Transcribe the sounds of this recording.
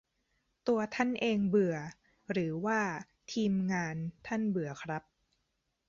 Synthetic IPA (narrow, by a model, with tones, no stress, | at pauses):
t̪u˧ɐt̪ʰa˥˩nʔeː˧ŋbɯ˨˩ɐ | ɾɯː˩˦waː˥˩ | t̪ʰiː˧mŋaː˧nt̪ʰa˥˩nbɯ˨˩ɐkʰɾa˦˥p̚